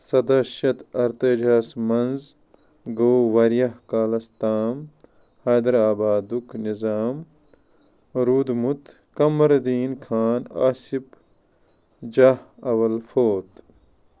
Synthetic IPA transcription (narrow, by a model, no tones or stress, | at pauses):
sɐd̪ɐʃɐt̪ɐɾt̪ɐd͡ʒʱaːsmɐnz | ɡowwɐɾjɐhkaːlɐst̪aːm | haːd̪ɐɾaːbaːd̪uknizaːm | ɾuːd̪mut̪ | kɐmɐɾd̪iːnkʰaːna̰ːsip | d͡ʒahɐwɐlfoːt̪